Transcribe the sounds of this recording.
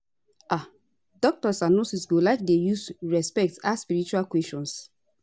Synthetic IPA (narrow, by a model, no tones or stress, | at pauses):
ʔa | dɔk̚tɔsanosisɡolaɪk̚dejusɹɛspɛk̚taspiɹit͡ʃualkwɛsʃɔ̃ns